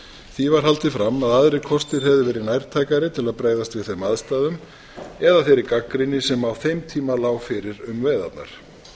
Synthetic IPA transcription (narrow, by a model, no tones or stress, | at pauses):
θivaɾ̥ɦalt̪ɪfɾamːaðaðɾɪkʰɔst̪ɪɾ̥ɦɛvðɪvɛːɾɪnajɾ̥t̪ʰaːjkaɾɪt̪ʰɪlaðpɾaːjðast̪vɪðθemaðst̪aːðʏm | ɛðaθejɾɪkakːɾɪnɪsɛmawθejmt̪ʰiːmalaːwfɪɾɪɾʏmvɛːjða̰t̪na̰ɾ̥